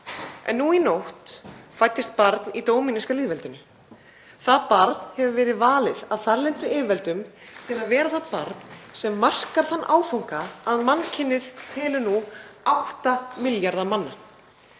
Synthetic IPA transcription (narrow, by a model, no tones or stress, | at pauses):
ɛ̰nːuinoht̪fajt̪ːɪst̪̚paɾt̪nit̪oːwminɪskaliːðvɛlt̪ʏnːʏ | θaðpaɾt̪nhɛvʏvɛːɾɪðvaːlɪðavθaɾlɛnt̪ʏɪvɛlt̪ʏmhɛvavɛːɾaθaðpaɾt̪n̥sɛmːar̥kaɾ̥θanːʔaːwfawŋ̥kaːðmancʰɪnːɪð̥t̪ʰɛːlʏnuawht̪amɪljaɾðamanːa